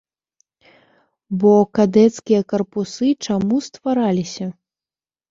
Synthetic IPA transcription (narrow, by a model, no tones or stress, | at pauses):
bɔkad̪ɛt̪skʲijɐkɐrpusɨt͡ʂamust̪vaɾalʲisʲɐ